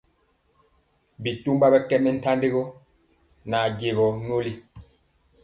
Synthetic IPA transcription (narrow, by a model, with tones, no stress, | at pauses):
bi˨tu˦mba˦bɛ˦kɛ˦ʔmɛ˦n̩˦ta˦nde˦ɣo˦ | na˨ɟe˨ɣɔ˨ɲo˦li˦